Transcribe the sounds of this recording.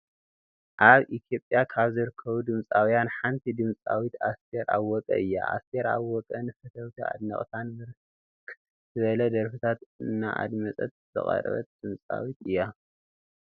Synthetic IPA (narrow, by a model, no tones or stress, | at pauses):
ʔaβʔit̪ʰjo̞pʼjakʰaβzɨɾɨkʰːɐβud̪ɨmt͡sʼawijanħant̪ʰid̪ɨmt͡sʼawit̪ast̪ʰeɾʔa̰βːɔkʼɐ̰ʔɨjːa̰ʔa̰st̪ʰeɾaβwɔkʼɐnɨfɐt̪ʰɐwt̪ʰia̰d̪nɐ̰χʼt̪ʰanmɨɾ | kʰ | zɨβɐlɐd̪ɐɾfit̪ʰat̪ɨnːa̰ʔa̰d̪mɐt͡sʼɐ̰t̪̚zɨ̰χʼɐ̰ɾɐ̰βɐ̰t̪̚d̪̥ɨmt͡sʼa̰wit̪ɨjːa